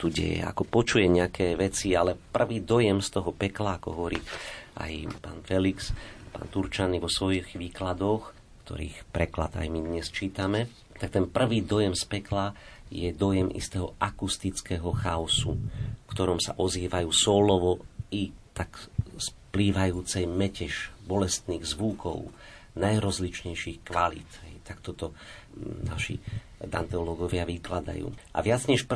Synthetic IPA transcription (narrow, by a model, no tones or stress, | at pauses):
t̪uɟɛ̰jɛ̰a̰kɔpɔt͡ʃujɛɲɛakʰɛːʋɛt͡sialɛpr̩ʋiːd̪ɔjɛmst̪ɔɦɔpɛklaakɔ̰ɦɔʋɔɾḭʔa̰jpa̰ːnfɛlikspa̰ːnt̪uɾt͡ʃaniʋɔsʋɔjiɣʋiːklad̪ɔx | kt̪ʰɔ̰ɾḭːxpɾɛkla̰d̪a̰jmid̪ɲɛst͡ʃiːt̪amɛ | t̪ak̚t̪ɛnpr̩ʋiːd̪ɔjɛmspɛklajɛd̪ɔjɛmʔḭst̪ɛɦɔakust̪it͡skɛɦɔxaɔsṵfkt̪ɔɾɔmsa̰ʔɔziːʋajuːsɔːlɔʋɔit̪akspliːʋajuːt͡sɛjmɛcɛʃbɔlɛst̪niːɣzʋukɔ̰ʊ | najɾɔzlit͡ʃɲɛjʃixkʋalḭt̪ɦɛjt̪akt̪ɔt̪ɔ | na̰ʃḭ | d̪ant̪ɛɔlɔɡɔʋɪaʋiklad̪a̰jṵːʔa̰ʋɪad͡zɲɛʃp